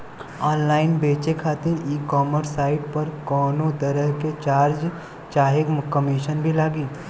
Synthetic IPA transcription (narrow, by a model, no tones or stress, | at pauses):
ɔːnlaːɪnbeːt͡ʃekʰaːt̪ɪɾiːkɔːməɾsaːɪʈpɐɾkɔːnod̪əɾəɦket͡ʃaːɾd͡ʒ | t͡ʃaːɦekkəmiʃənbʱilaːɡiː